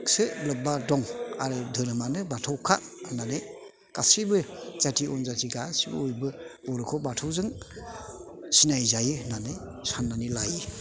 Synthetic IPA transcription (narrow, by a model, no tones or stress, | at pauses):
ksɯlɯbadɔŋa̰ɾɯdʱɯɾɯmanɯbatʰawkʰananɯ | kasibɯzatʰiɔnzatʰiɡasibɯ̰ojbɯbɔɾɯkʰɔbatʰɔwzɯŋ | sinajzajɯnanɯ | sanːanilajɯ